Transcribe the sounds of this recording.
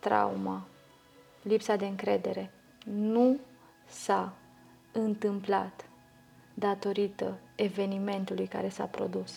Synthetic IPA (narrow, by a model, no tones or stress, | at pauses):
t̪ɾa̰uma | lipsad̪e̞ɨŋkɾe̞d̪e̞ɾe̞ | nu | sa | ɨnt̪ɨmpla̰t̪ | d̪at̪o̞ɾit̪əe̞ve̞nime̞nt̪ulujka̰ɾe̞sa̰pɾo̞̰d̪us